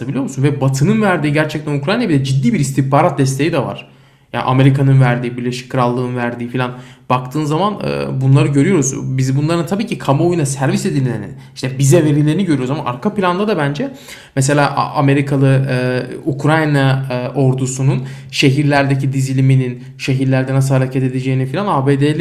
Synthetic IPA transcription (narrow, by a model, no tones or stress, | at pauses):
abilʲijomusunvɛbat̪ʰɯnɯnvæɾd̪iːɟæɾt͡ʃʰɛc̚t̪ʰænukɾajnabid̪ʲɛd͡ʒid̪ːiːbiɾist̪ʰipaːɾat̪̚d̪ɛst̪ʰe̞jid̪ɛva̰ɾ̥ | ja̰ːʔa̰me̞ɾikʰanɯnvæɾd̪iːbiɾlʲe̞ʃi̥c̚kʰːɯɾalˠːɯːɯnvæɾd̪iːfilʲanb̥akt̪ʰɯːnzamanɯ̰bunlˠaɾɯɟø̞ɾyjo̞ɾuzbizbunlˠaɾɯnt̪ʰabiːcʰikʰamaojunasæɾvise̞d̪ilʲlʲeɾnḭ | iʃt̪ʰɛbizɛve̞ɾilʲeiniɟø̞ɾyjouzama̰ʔa̰ɾkʰapilʲand̪ad̪abænd͡ʒɛ | mɛs̬e̞lʲaːʔʔame̞ɾikʰalˠɯ | ukʰɾajnao̞ɾd̪usunun | ʃe̞ɦiɾlʲæɾd̪ecid̪izilʲiminin | ʃe̞ɦiɾlʲæɾd̪ɛnas̬ɯlˠɦaɾecʰɛt̪e̞d̪ed͡ʒe̞jinifilʲanaːbeːd̪elʲ